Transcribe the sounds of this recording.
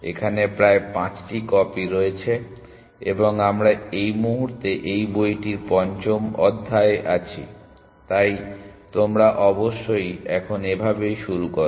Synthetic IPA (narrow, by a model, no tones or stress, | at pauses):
ḛkʰanepɾaepãt͡ɕʈikɔpiɾoet͡ɕʰe | eboŋamɾaejmuɦuɾt̪eʔejbojʈiɾpɔnt͡ɕomɔd̪ʱːaeʔat͡ɕʰi | t̪ajt̪omɾaʔɔboʃːojɛkʰonebʱabejʃuɾukoɾ